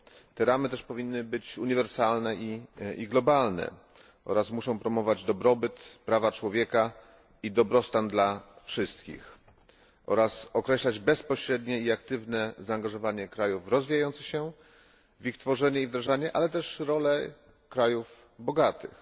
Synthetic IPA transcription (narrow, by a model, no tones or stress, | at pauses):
t̪ɛɾamɘt̪ɛʂpɔvʲinːɘbɘt͡ɕuɲivɛɾsalnɛiḭɡlɔbalnɛ̰ | ʔɔ̰ɾasmuʂɔ̃w̃pɾɔmɔvad͡ʑd̪ɔbɾɔbɘt̪pɾavat͡ʂwɔvʲjɛka | id̪ɔbɾɔst̪and̪lafʂɘst̪kʲḭx | ʔɔ̰ɾasɔkɾɛɕlad͡ʑbɛspɔɕɾɛd̪ɲɛiak̚t̪ɘvnɛzaːŋɡaʐɔvaɲɛkɾajufɾɔzvʲijajɔnt̪sɘxɕɛ | vixt̪fɔʐɛɲɛivd̪ɾaʐaɲɛʔalɛt̪ɛʂɾɔlɛ | kɾajuf | bɔɡat̪ɘ̰x